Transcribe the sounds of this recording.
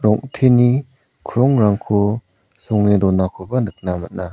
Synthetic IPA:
ɾɔŋtʰeni | kʰɾɔŋɾaŋkʰu | sɔŋnidɔnakʰubɐnɯk̚namɐt̚na

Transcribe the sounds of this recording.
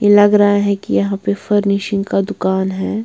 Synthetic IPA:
jelɐɡɾɐɦaɦɛ̃kijɐɦãpefɐɾneːʃɪ̃ŋɡkad̪ʊkaːnɦɛː

